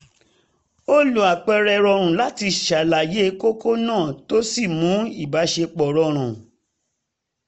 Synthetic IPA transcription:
o˦lo˨a˨k͡pɛ˧ɾɛ˧ɾɔ˧ɾ̃ũ˨la˦ti˧ʃa˨la˨je˨˦ko˦ko˦nãː˦˨to˦si˦˨mũ˨˦i˦˨ba˨˦ʃe˧k͡pɔ˨ɾɔ˧ɾ̃ũ˨

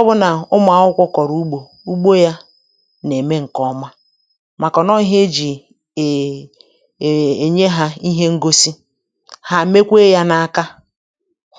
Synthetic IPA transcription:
ɔ˦bʊ˦na˨ʊ˦m˦˨a˨ʊ˦kʷʊ˦kɔ˨ɾu˦ɡ͡bo˨ | u˦ɡ͡bo˦ja˦ | ne˨me˦ŋ̩˨kɔ˦ma˦ | ma˨kɔ˨nɔ˦i˦ɦe˦d͡ʒi˨ | e˨ɲe˦ɦa˦i˦ɦe˦ŋ̩˦ɡo˦si˦ | ha˨˦me˦kʷe˦ja˦na˨a˨ka˦

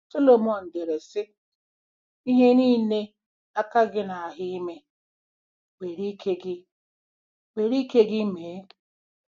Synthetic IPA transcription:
so˦lo˨mɔ˨n̩˨de˨ɾe˨sɪ˦ | i˦ɦe˦niː˦ne˦ | a˦ka˦ɡɪ˦na˨a˨ɦɪ˦i˦me˦ | we˨ɾi˦kʰe˦ɡɪ˦ | we˨ɾi˦ke˦ɡɪ˦me˨˦

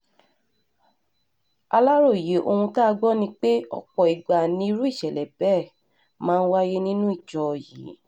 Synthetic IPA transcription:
a˧la˦ɾo˦˨je˨˦ʔo˧hũ˧ta˦˧ɡ͡bɔ˦nĩ˧k͡pe˦ɔ̰˦˨k͡pɔ˨i˨ɡ͡ba˨nĩ˧i˧˦ɾu˦i˦˨ʃɛ˨lɛ˨b̥ɛ˦˨ | mãː˦˧n̩˦wa˦je˦nĩ˦nũ˦i˦˨t͡ʃɔ˧˨jḭ˨˦

